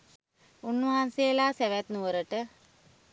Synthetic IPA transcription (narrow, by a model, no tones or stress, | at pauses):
unːəɦansejəlaːsæʋæt̪nuʋəɾəʈə